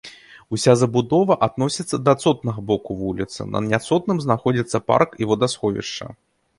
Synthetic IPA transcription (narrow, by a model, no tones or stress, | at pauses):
usʲazɐbud̪ɔvɐʔad̪nɔsʲit̪sːɐd̪ɐat̪sɔt̪̚nɐɣɐbɔkuvulʲḭt̪sɨ̰nɐ̰nʲat̪sɔt̪nɨmznaxɔd͡zʲit̪sːɐpa̰rkivɔd̪asxɔvʲḭʂt͡ʂɐ̰